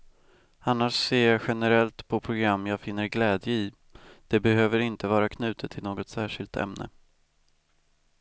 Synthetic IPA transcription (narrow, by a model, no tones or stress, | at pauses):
anːaʂseːjɑɧɛnəɾɛlt̪pʰɔpʰɾʊɡɾamːjɑːɡfɪnːəɾɡlɛːd̪jəɪ | d̪̥ɛbɛɦøːvəɾɪnt̪əvɑːɾakʰnʉ̟ːt̪ʰət̪ʰːɪlnoːɡɔt̪sæːʂɪlt̪ʰɛ̰mnə̰